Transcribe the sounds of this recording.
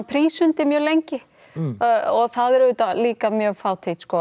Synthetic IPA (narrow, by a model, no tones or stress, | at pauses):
pʰɾiːsʏnt̪ɪmjœːlejɲcɪ | ɔɣθaðɛɾʏt̪aliːkamjœːɣfaːwt̪ʰit̪skɔ